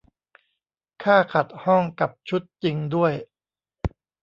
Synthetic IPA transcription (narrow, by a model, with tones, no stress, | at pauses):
kʰaː˥˩kʰa˨˩t̪̚hɔ˥˩ŋka˨˩p̚t͡ɕʰu˦˥t̪̚t͡ɕi˧ŋdu˥˩əj